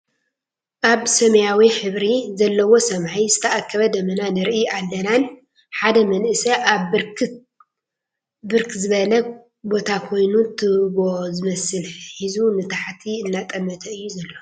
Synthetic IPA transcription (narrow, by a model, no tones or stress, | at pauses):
ʔaβsɐmɐjawiħɨβɾizɐlːɐwo̞sɐmʕizɨt̪ʰɐʔakʰːɐβɐd̪ɐmɐnanɨɾʔiʔalːɐnan | ħad̪ɐmɐnʔɨsɐʔaβɾk | bɨɾkʰzɨβɐlɐ | bo̞t̪ʰakʰo̞jnut̪ʰɨβozɨmɐsɨlħizunɨt̪ʰaħt̪ʰiɨnːat̪ʼɐmːɐt̪ʰɐɨjːuzɐlːo̞